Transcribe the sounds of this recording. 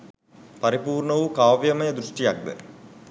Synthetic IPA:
pɐɾipuːrɳɐʋukaːʋjɐmɐjɐd̪ɾuʂʈijak̚d̪ə̰

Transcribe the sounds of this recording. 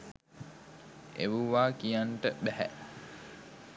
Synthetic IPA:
ḛʋuʋaːkijanʈəbæɦɛ̰ʔ

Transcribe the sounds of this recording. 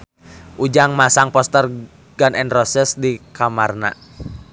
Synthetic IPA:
ʔud͡ʒaŋmasaŋpɔst̪ər | ɡ̥anʔɛnrɔsɛsdikamarna̰

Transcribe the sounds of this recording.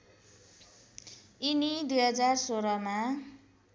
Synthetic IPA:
inid̪ujɦʌd͡zarsoɾʌma

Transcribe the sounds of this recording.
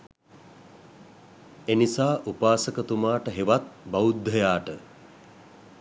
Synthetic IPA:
enisaːʔupaːsəkət̪umaːʈəɦeʋat̪̚baud̪ʱːəjaːʈə

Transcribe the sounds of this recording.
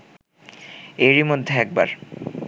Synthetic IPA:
eɾimod̪ʱːeɛk̚ba̰ɾ

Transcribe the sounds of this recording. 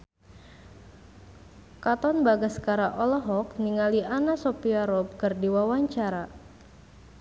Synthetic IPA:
kat̪ɔnbaɡaskaɾaʔɔlɔɦɔk̚niŋalianasopiaɾɔp̚kərdiwawaɲt͡ʃaɾa

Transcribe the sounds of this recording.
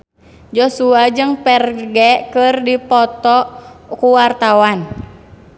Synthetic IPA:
d͡ʒɔsuad͡ʒɨŋpɛrɡɛkɨrdipɔt̪ɔkuwart̪awan

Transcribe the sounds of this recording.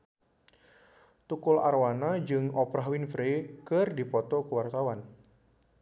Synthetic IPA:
t̪ukʊla̰rwanad͡ʒɨŋɔpɾaɦwinfɾekɨrdipɔt̪ɔkəwart̪awan

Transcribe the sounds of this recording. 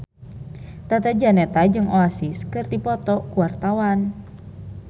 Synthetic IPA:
t̪at̪ad͡ʒanɛt̪ad͡ʒɨŋʔoasiskɨrd̪ipɔt̪ɔkuwart̪awan

